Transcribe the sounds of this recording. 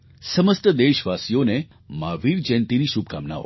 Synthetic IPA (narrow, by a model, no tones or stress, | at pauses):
səməst̪əd̪eʃʋasijone | maʋiɾd͡ʒɛnt̪iniʃub̚kamna̰o̰